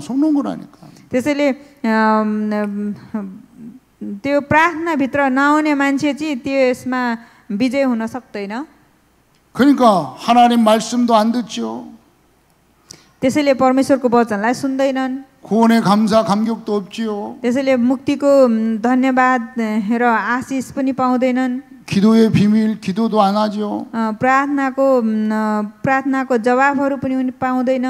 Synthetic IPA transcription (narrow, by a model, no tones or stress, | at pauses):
sonunɡʌna̰nḭkat̪esʌjle | t̪joprart̪ʰʌnabʱit̪rʌnʌwnemant͡sʰet͡sĩt̪joesma | bid͡zʌjɦunʌsʌk̚d̪ʌjnʌ | kɯnikahananimːaɭsɯmd̪oand̪ɯt͡ɕʰijo | t̪esʌjlepʌrmeswʌrkobʌt͡sʌnlajsund̪ʌjnʌn | kuʌnekamsʰakamɡjʌk̚t̪oʌp̚t͡ɕijot̪es̬ʌjlemuk̚t̪ikod̪ʱʌnjʌbad̪ɾʌasispʌnipaw̃d̪ʌjnʌn | kid̪oepimilkid̪od̪oanad͡ʑioprart̪ʰʌnako | prart̪ʰʌnakod͡zʌβabʱɦʌɾupʌninpaw̃d̪ʌjnʌ